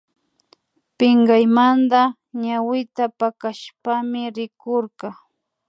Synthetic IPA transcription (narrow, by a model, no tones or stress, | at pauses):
pɪŋɡajmand̪a | ɲawɪt̪apakaʃpamɪɾɪkoɾqɑ